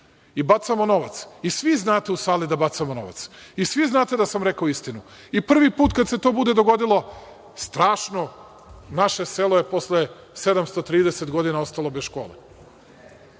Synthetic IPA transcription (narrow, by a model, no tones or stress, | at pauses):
ibat̪samo̞no̞ʋat̪sisʋiznaːt̪e̞usaːlid̪abat̪samono̞̰ʋa̰t̪sisʋiznaːt̪e̞d̪asamɾekaoist̪inu | ipr̩ʋipuːt̪kad̪set̪o̞ːbud̪ed̪oɡo̞d̪ilˠo̞ | st̪ɾaːʃno̞ | naʃe̞selo̞jeposle | se̞d̪amst̪ot̪ɾiːd̪eset̪ɡo̞d̪inao̞st̪alˠo̞besʃko̞̰ːlḛ